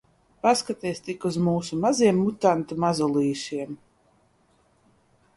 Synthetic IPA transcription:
paskat̪ɛjsʲt̪ikuzmuːsumaziɛmːut̪ant̪umazɔlˠiːʃiɛm

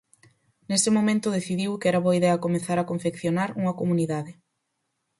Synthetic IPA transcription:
nest̪ɪmomẽnt̪ʊðeθiðiwkɛɾɐβoɐiðɛɐkomeθaɾɐkoɱfekθjonaɾuŋɐkomuniðaðɪ

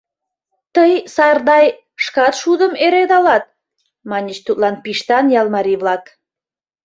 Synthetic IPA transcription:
t̪əjsɑrd̪ɑj | ʃkɑt̪ʃud̪əmeɾed̪ɑlɑt̪̚ | mɑnʲet͡ɕt̪ut̪lɑnpiʃt̪ɑnjɑlmɑɾiβlɑk

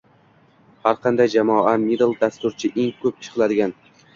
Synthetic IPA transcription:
haɾqʰɑnd̪ajd͡ʒamɒamed̪lˠd̪ast̪ʊɾt͡ʃʰɪʔeŋkʰɵp̚t͡ʃɨ̥qʰɨlad̪ɪɡʲan

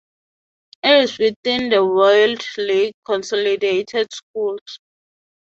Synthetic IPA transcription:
itiswiθĩndəwɔldlikʰɔ̃nsɔlidetʰɛdsk̚uls

